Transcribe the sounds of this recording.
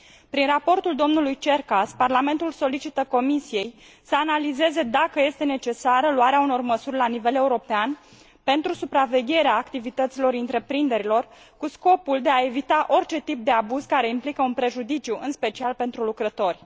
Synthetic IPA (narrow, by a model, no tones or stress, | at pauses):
pɾinrapo̞rt̪uld̪o̞mnulujt͡ʃe̞rkasparlame̞nt̪ulso̞lit͡ʃit̪əko̞misije̞j | səanalize̞ze̞d̪akəje̞st̪e̞ne̞t͡ʃe̞saɾəluaɾeauno̞rməsurʲlanive̞le̞uɾo̞pean | pe̞nt̪ɾusupɾave̞ɡʲe̞ɾeaːkt̪ivit̪ət̪silo̞ɾɨnt̪ɾe̞pɾind̪e̞ɾilo̞r | kusko̞puld̪e̞ae̞vit̪aʔo̞rʲt͡ʃe̞t̪ip̚d̪e̞abuz̥kaɾe̞implikəunpɾe̞ʒud̪it͡ʃiuʔɨnspe̞t͡ʃialpe̞nt̪ɾulukɾət̪o̞rʲ